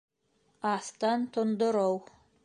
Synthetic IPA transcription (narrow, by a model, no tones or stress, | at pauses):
ɑθt̪ɑnt̪ŏnd̪ŏɾow